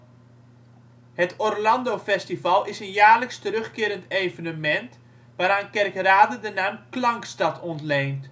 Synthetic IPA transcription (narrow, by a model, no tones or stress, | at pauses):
hətɔrlɑndofɛstivɑlˠɪsənjaːrləkstəɾɵχkɪːɾəntejvənəmɛnt | ʋaːɾaːnkɛrkraːdədənaːmklaŋkstatʰɔntleːnt